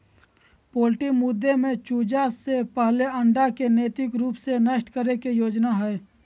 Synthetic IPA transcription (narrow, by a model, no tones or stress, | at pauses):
poːlʈikmʊd̪ːemẽt͡ʃuːd͡ʒasepəɦleə̃ɳɖakeneːt̪ɪkɾuːpsenəʃʈkəɾekijoːd͡ʒnaɦɛː